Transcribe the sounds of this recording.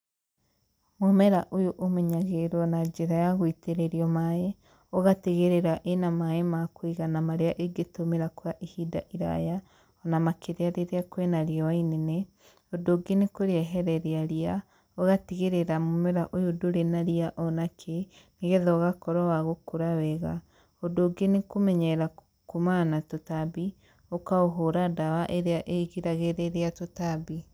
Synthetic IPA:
momɛɾaʔojoʔomɛɲaɣeɾwɔnad͡ʒeɾajaɣoiteɾeɾiɔmae | oɣateɣeɾeɾaʔenamaemakoiɣanamaɾeaʔeɡetomeɾakwaʔehida̰ʔiɾa̰ja | ɔnamakeɾeaɾeɾeakwɛnaɾiɔwainene | odoɡenekoɾeɛɦɛɾɛɾeaɾia | oɣatiɣeɾeɾamomɛɾaʔojodoɾenaɾiaʔɔnakʰe | neɣɛðɔɣakɔɾɔwaɣokuɾawɛɣa | odoɡenekomɛɲɛɾa | kumanatotabi | okaoɦoɾadawaʔeɾeaʔeɣiɾaɣeɾeɾeatotabi

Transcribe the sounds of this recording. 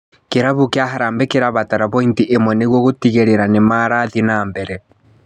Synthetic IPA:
keɾaβukeaɦaɾaːmbekeɾaβataɾaβɔintiʔemwɛneɣwɔɣotiɣeɾeɾanemaɾaðinaːmbɛɾɛ

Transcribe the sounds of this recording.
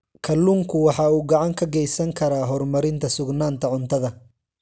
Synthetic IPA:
kʰɐlːuːŋkʰʊwɑħɑːuːɡɑʕɑŋkʰɐɡɛjsɐŋkʰɐɾaːɦɔrmɐɾɪnt̪ʰɐsʊɡnaːnt̪ʰɐʕʊnt̪ʰɐðɐ

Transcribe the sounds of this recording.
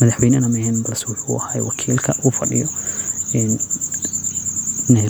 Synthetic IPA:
mɐðaħwɛjnɐnɐmɛhɛnbɐlɐswʊħuːɐhaːjwɑkʰiːlkʰɐufɐɖɪ̰jɔɛːn | nɐ

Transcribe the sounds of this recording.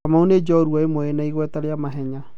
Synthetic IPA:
amaoned͡ʒɔɾuaemoenaiɣwɛtaɾeamaɦɛɲa

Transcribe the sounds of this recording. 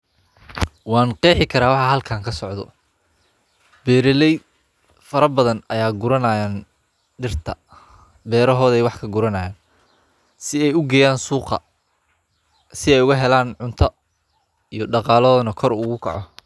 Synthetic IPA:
wɑːnqɛːħɪkʰɐɾaːwɑħɑɦɐlkʰaːŋkʰɐsɔʕðɔ̰ | bɛːɾɛlɛj | fɐɾɐbɐðɐnɐjaːɡʊɾɐnajaːn | ɖɪrt̪ʰɐ | bɛːɾɐɦɔːðɛjwɑħkʰɐɡʊɾɐnɐjaːn | sɪɛjʊɡɛːjaːnsuːqɐ̰ | sɪɛjʊɣɐɦɛlaːnʕʊnt̪ʰɐ | ijɞɖɑqɑːlɔːnɐkʰɔɾʊɣʊkʰɐ̰ʕɔ

